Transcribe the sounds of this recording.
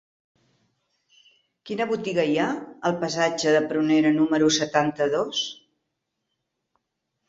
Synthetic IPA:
kinəβut̪iɣəjaəlˠpəsad͡ʒəðəpɾuneɾənuməɾusət̪ant̪əðos

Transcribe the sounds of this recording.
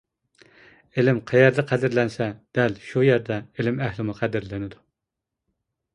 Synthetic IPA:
elɪmqʰæjɛɾd̪ɨqʰæd̪ɪɾlɛnsɛd̪̥ɛlʃujæɾd̪ɛelɪmɛhlɪmuqʰæd̪ɪɾlɪnɪd̪u

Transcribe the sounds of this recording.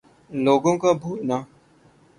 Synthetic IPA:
loːɡõkabʱuːna

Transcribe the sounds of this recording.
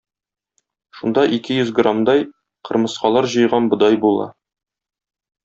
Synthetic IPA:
ʃund̪ɑʔikɘjɵzɡramd̪ɑj | qɤ̆ɾmɤ̆sqɑlˠɑɾʑɤ̆jʁɑnbŏd̪ɑjbulˠɑ̰

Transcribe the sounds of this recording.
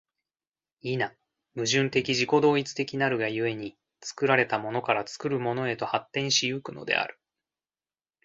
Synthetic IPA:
ina | mɯ̟ʑɨ̃nt̪e̞kʲiʑiko̞d̪o̞ːit͡sɨ̥t̪e̞kʲinaɾɯ̟ɡajɯ̟e̞ɲ̟i | t͡sɨ̥kɯ̟ɾaɾe̞t̪amo̞no̞kaɾat͡sɨ̥kɯ̟ɾɯ̟mo̞no̞e̞t̪o̞hat̪ːẽ̞ɕijɯkɯ̟no̞̰d̪e̞̰a̰ɾɯ̟

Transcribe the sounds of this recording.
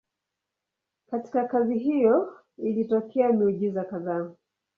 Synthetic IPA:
kati̥kakaziɦijɔ | ilitɔkʰɛamiuʄizakaðaː

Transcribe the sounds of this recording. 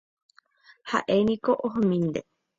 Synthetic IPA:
ha̰ʔenĩkoʔoɦõmĩnd̪e

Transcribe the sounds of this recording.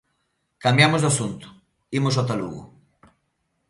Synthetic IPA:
kambjamʊzðasunt̪ʊ̥ | imʊs̬ɔt̪alṵɣʊ̰

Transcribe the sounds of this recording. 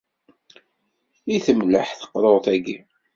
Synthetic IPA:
iθəmlə̰ħθə̥qːɾˤoʁθæɡi

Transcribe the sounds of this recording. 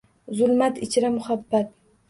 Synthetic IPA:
zʊlmat̪ɪt͡ʃʰɾamʊhabːat̪̚

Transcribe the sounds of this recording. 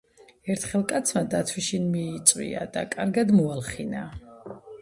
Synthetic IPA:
ɛɾt̪ʰχɛlˠkʼat̪sʰmad̪at̪ʰwiʃinmiːt̪sʼwḭa̰d̪a̰kʼaɾɡad̪mɔalˠχina

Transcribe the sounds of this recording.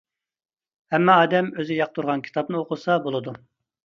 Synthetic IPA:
hɛmːɑːd̪ɛmøzɪjɑq̚t̪ʰuɾʁɑnkʲʰi̥t̪ʰɑp̚nɨoqʊsɑbolˠɨd̪u

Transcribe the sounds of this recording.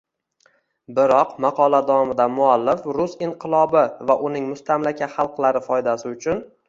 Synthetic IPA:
bɪɾɒqmɑqʰɒlad̪awɒmɪd̪amʊalːɪfɾʊsɪɴqʰɨlˠɒbɪvaʔʊnɪŋmʊst̪ʰamlakʲʰat̪χɑlˠqlˠaɾɪfɒjd̪asɪʊt͡ʃʰʊn

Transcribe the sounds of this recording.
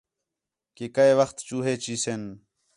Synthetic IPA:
kekəeʋəxt̪t͡ʃuːɦeːt͡ʃiːsen

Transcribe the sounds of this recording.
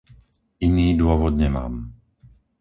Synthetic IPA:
iniːd̪ʊɔʋɔd̪ɲɛma̰ːm

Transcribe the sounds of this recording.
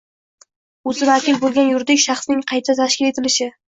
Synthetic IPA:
ɵzɪvakʲʰɪlbolˠɡʲanjʊɾd̪ɪkʲʃɑχsnɪŋqʰɑjt̪ʰat̪ʰaʃkʲɪle̞t̪ʰɪlɪʃɪ

